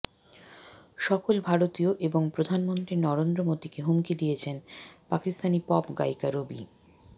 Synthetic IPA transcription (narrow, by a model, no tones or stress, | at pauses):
ʃɔkolbʱaɾot̪ioʔeboŋpɾod̪ʱanmont̪ɾinɔɾend̪ɾomod̪ikeɦumkid̪ijet͡ɕʰenpakist̪anipɔpɡa̰jkaɾobḭ